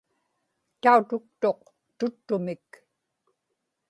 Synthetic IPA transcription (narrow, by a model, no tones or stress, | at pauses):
t̪aut̪ʊk̚t̪o̞q | t̪ʊt̪ːʊmɪk